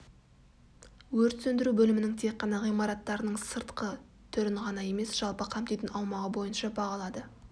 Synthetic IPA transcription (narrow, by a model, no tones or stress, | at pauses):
wɵɾt̪sɵnd̪ɪɾubɵlɪmɪnɪŋt̪ʰe̞k̚qːɑnɑʁijmɑɾɑt̪ːɑɾənəɴsəɾt̪qə | t̪ʰɵɾɪɴʁɑnɑje̞me̞sʒ̥ɑlˠpəqʰɑmpt̪ejt̪ɪnɑwmɑʁəbo̞jənʃɑbɑʁɑlˠɑd̪ə